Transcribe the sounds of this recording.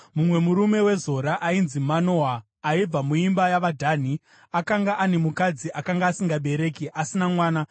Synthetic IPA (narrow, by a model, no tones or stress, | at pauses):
mumwe̞muɾume̞we̞zo̞ɾaʔainzimano̞aː | ib͡vamuimbajaʋadʱaːn̤i | akaŋɡaʔane̞mukad͡ziʔakaŋɡaːsiŋɡaɓe̞ɾe̞ːkiʔasinamwaːna